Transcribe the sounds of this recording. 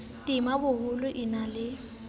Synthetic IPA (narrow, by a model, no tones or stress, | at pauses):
tʼimabʊɦʊlʊʔinalɪ